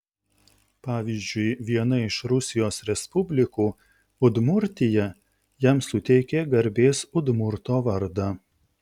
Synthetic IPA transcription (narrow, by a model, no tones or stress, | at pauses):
pɑːʋʲizʲd͡ʒʲʊɪʋʲiɛnɐɪʃɾʊsʲɪjoːsɾʲɛspʊbʲlʲɪkuː | ʊd̪mʊɾʲt̪ʲɪjɛ | jɛmsʊt̪ʲɛɪkʲeɡɐɾʲbʲeːsʊd̪mʊɾt̪oːʋɐɾd̪ɑ